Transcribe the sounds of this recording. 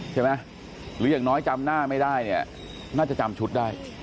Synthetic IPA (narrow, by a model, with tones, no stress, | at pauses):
t͡ɕʰa˥˩ma˦˥ | ɾɯː˨˦jaː˨˩ŋnɔː˦˥jt͡ɕa˧mnaː˥˩ma˥˩jdaː˥˩jni˥˩ɐ | naː˥˩t͡ɕa˨˩t͡ɕa˧mt͡ɕʰu˦˥t̪̚daː˥˩j